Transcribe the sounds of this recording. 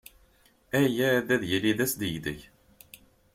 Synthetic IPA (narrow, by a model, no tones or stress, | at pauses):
æjæd̪æðjəlːiðæsd̪əjd̪ə̰ç